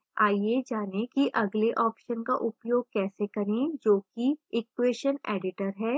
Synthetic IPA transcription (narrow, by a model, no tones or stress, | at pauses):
aːied͡ʒaːnekiʔɐɡleʔɔːpʃənkaʔʊpjoːɡ̚kɛːsekɐɾẽd͡ʒoːkiɪkːweːʃəneːɖɪʈəɾɦɛː